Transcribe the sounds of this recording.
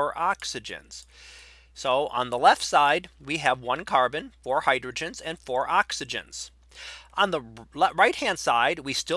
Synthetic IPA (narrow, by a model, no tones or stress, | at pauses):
ɹʔɑksɨd͡ʒɨ̰̃nz̥ | soʊʔə̰̃nðəlɛftsaɪd̚wiɨvwʌ̃nkʰɑɹbɨ̃nfɔɹhaɪdɹɨd͡ʒɨ̃nzɨ̃nfɔɹʔɑksɨd͡ʒɨ̰̃nz̥ | ʔə̃nðəlɹaɪt̚hæ̃nd̥saɪd̚wistɪ